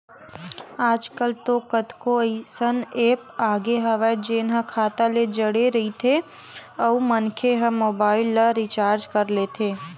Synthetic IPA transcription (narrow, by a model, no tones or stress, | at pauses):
aːd͡ʒkəlt̪okət̪koisəneːpaːɡeɦɐʋad͡ʒeːnɦə̃kʰaːt̪aled͡ʒəɽeɾɐit̪ʰe | ɔumənkʰeɦəmoːbaːɪlːaɾit͡ʃaːɾd͡ʒkɐɾleːt̪ʰeː